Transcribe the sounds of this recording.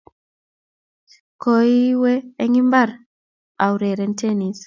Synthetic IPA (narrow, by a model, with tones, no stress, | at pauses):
ko˦i˦weː˦ŋi˦mba˦˨ɾ | a˨wɾe˨ɾɛ˨˦ntʰe˦ni˨s